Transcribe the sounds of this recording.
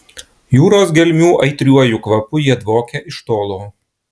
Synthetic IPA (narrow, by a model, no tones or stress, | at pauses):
juːɾoːsɡʲɛlʲmʲuːʔɐɪt̪ʲɾʲuɔjʊkʋɐpʊjiɛd̪ʋoːkʲɛʔɪʃt̪oːlˠoː